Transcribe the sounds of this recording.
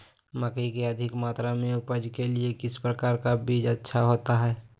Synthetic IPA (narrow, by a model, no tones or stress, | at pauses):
məkəikeəd̪ʱɪkmaːt̪ɾamẽʊpəd͡ʒkeliekɪspɾəkaːɾkabiːd͡ʒətːʃʰaɦoːt̪aɦɛː